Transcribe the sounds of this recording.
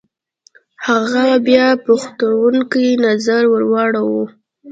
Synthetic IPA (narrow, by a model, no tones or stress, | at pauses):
haɣabjɑpuxt̪awuŋkinazaɾwəɾwɑɽawu